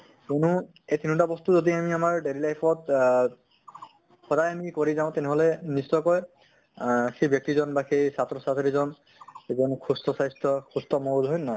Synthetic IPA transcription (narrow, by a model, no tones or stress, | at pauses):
kenu | ejt̪ʰinutabɔst̪uzodiamiamaɹɖeɾilajpʰɔt̚ | xɔdajamikoɹizãʊ̃t̪ɛnɛɦɔlɛnisɔjkɔj | xebjɔk̚tizɔnbaxejsatɹɔsatʰiɹizɔn | ezɔnkʰustɔsajstɔkʰustɔmɔɹudʱɦɔjnɔj